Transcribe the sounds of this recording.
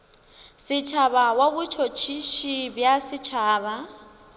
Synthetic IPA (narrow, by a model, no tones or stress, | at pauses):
sɪt͡ʃʰaβawaβut͡ʃʰot͡ʃʰiʃibjasɪt͡ʃʰaːβa